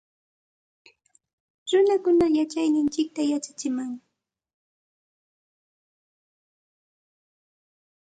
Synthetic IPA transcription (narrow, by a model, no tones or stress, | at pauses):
ɾʊnakʊnajat͡ʃajnɪnt͡ʃɪk̚t̪ajat͡ʃḁt͡ʃɪmaŋ